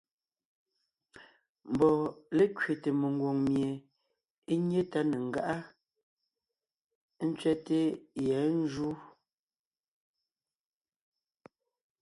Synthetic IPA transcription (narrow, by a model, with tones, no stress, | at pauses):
m̩˨bɔ˨le˦kɥe˨te˨me˨ŋ˨ɡwo˨ŋmje˨ | e˦ɲ˦e˦ta˦ne˨ŋ̩˨ɡa˦ʔa˦ | n̩˦t͡sɥɛ˦te˦jɛ˨˦n̩˦d͡ʒu˦